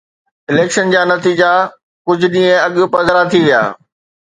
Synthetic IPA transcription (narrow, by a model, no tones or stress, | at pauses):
ɪleːkʃənd͡ʑaːnɐt̪iːd͡ʑa | kʊd͡ʑʱʊ̆ɗĩːẽɐɠʊ̆pɐzəɾat̪ʰiʋija̰ː